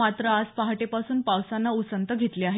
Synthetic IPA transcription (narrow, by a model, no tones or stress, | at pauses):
at̪ɾəad͡zpaɦaʈepasuːnpawsanːausənt̪əɡʱet̪leaɦe